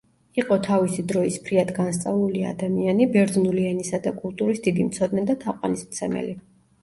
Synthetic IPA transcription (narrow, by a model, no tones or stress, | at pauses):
iqʼɔt̪ʰavisid̪ɾɔispʰɾiad̪ɡanst̪sʼavlulia̰d̪amianibɛɾd̪znuliɛnisad̪akʼulˠt̪ʼuɾisd̪id̪imt̪sʰɔd̪nɛd̪at̪ʰaqʼwa̰nismt̪sʰɛmɛ̰li